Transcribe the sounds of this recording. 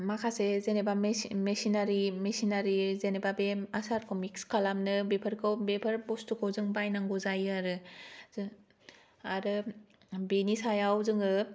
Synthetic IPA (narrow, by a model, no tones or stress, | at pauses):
makʰasezenebamesinaɾimesinaɾizenebabemasaɾkʰomikskʰalamnɯbepʰɐɾkʰɯwbepʰɐɾbostʰukʰɯwzɯŋbajnaŋɡozajaɾɯ | aɾɯ | benisajawzɯŋɯ